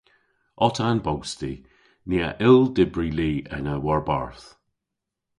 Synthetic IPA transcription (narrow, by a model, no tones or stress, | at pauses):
ɔtʰanbowsti | niːa̰ʔɪlˠdɪbɹiliːʔənəwaɹba̰ɹθ